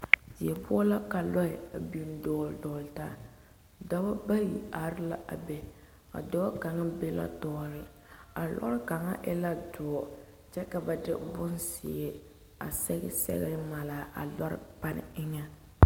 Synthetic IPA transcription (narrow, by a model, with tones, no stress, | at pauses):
d͡ʒi˨ɛ˨pʊ˦ɔ˦la˦ka˨lɔ˦ɪ˨a˨bi˨n˨dɔː˨˦˨ldɔː˨lɪ˨taː˦ | dɔ˦ba˦ba˦ji˨a˨ɾɪ˦la˦ʔa̰˨bɛ˨ | ka̰˨dɔ˦ka˨ŋa˦be˦la̰˦tɔː˦lɪ˨ | a˨lɔ̰˦ɾka˨ŋa̰˦ʔɪ˦la˦dɔ˨˦˨ | t͡ʃɛ˦ka˨ba˨dɪ̰˦bʊ˦nsɪ̰˨ɛ˦ | a̰˨sɛ˦ɡɛ˦sɛ̰˦ɣɪ˦ma˨la˨ʔa̰˨lɔ˦ɾɪ̰˦pa˦nɪ̰˨ɪ˦ŋa˦